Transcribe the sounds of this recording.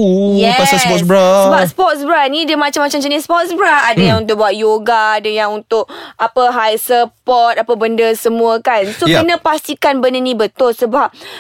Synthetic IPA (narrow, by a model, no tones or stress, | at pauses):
ujɛpasasɔtsbɾasəbasə̥pɔt̪̚sbɾanidəmãt͡ʃamːat͡ʃamd͡ʒənisəpɔt̪̚sbɾaadəjãŋunt̪̬ʊk̚buat̪̚joɡaːdəjaŋunt̪ʊk̚ʔapəɦajsəpɔt̪̚apəbəndəsəmũəkansokənə̃past̪ikanbənənĩbət̪ʊlsəbap̚